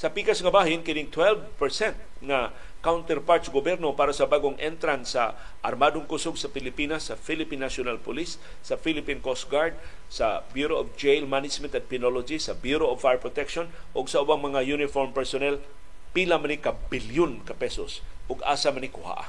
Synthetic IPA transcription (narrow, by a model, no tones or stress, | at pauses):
sɐpikasŋɐbaːɦɪnkɪnɪŋt̪wɛlvpɛɹsɛnt̪̚ | ŋa | kawnt̪ɛɾpaɾt̪sɡobjɛɾnopaːɾasɐbaːɡʊŋʔɛnt̪ɾansɐ | ʔɐ̰ɾmad̪ʊŋkʊsʊɡsɐpɪlɪpiːnasːɐfilɪpinːasjʊnalpʊlisː | ɐfilɪpinkosɡaɹd̪̚ | sɐbjuɾoʔofd͡ʒejlmanɪt͡ʃmɛnt̪ɐt̪̚pɪnolod͡ʒisɐbjuɾoɔvfajɹpɹot̪ɛkʃonʔʊɡsɐʔʊbaŋmɐŋajunɪfoɹmpɛɹsonɛl | pilamanikabiljʊnkapɛsosʔʊɡʔa̰ːsamanikʊha̰ʔa̰